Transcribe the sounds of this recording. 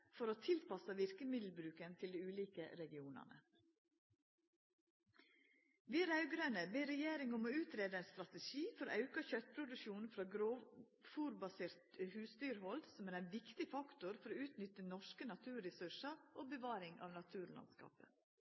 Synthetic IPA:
fɔɾoːt̪ʰɪlpɑsəʋɪɾkəmɪd̪l̩bɾʉːkənt̪ʰɪld̪iːʉːliːkə̰ɾɛɡɪuːnɑ̰nə̰ | ʋiːæɾɑʉɡɾøːnəbeːɾɛjeːɾɪŋɔmoːʉːt̪ɾeːd̪əænst̪ɾɑt̪ɛʃiːfɔɾo̰ːʔɑʉkəçœt̪pʰɾʊd̪ʉʃuːnn̩fɾɑːɡɾoː | fuːɾbɑseːɾt̪hʉːst̪yːɾhɔld̪sɔmæːɾæɪnʋɪkt̪ɪfɑkt̪ʊɾfɔɾoːʉːt̪nʏt̪ənɔʂkənɑt̪ʰʉːɾɾɛsʉʃɑɾʔoːbəʋɑːɾɪŋɑ̰ːʋnɑt̪ʰʉːɾlɑ̰nskɑ̰ːpə̰

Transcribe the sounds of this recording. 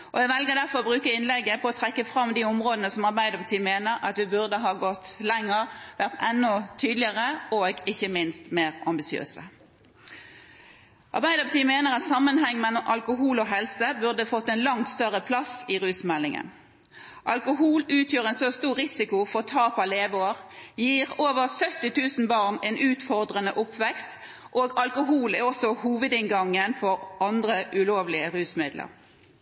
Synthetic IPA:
ʔɔæɛɡʋɛlɡəʁd̪æʁfɔʁbʁʉːkəɪnlɛɡəpʰɔɔt̪ʰʁɛkːəfʁɑmd̪iːʊmʁoːd̪ənəsɔmɑʁbæɪd̪əpɑt̪ʰiːmeːnəɾɑt̪ʋɪbʉʁd̪əɦɑːɡɔt̪ːlɛŋːəʁʋæʁt̪ɛnːɔt̪ʰyːd̪lɪəʁəoːɡɪçːəmɪnst̪meːʁɑmbɪsɪø̰ːsə | ʔɑ̰ʁbæɪd̪əʁpʰɑt̪iːmeːnəʁɑt̪sɑmːənhɛŋːmɛlːɔmʔɑlkʊɦuːlɔɦɛlsəbʉʁd̪əfɔt̪ːɛnlɑŋt̪st̪œʁəpʰlɑsiːʁʉːsmɛlːɪŋə̰n | ʔɑlkʊɦuːlʉːt̪ʰjøːʁɛːnsost̪uːʁʁɪsɪkʊfɔʁt̪ʰɑːpɑleːʋoːəʁjiːʁoːʋəʁsœt̪ːɪt̪ʰʉːsn̩bɑːʁneːnʔʉːt̪fɔʁd̪ʁənəʔʊpʋɛkst̪ | ʔoːɡɑlkʊɦuːlɛɔsɔhuːʋəd̪ɪŋɡɑŋːənfɔʁʔɑnd̪ʁəʔʉloːʋlɪəʁʉːsmɪd̪lə̰ʁ

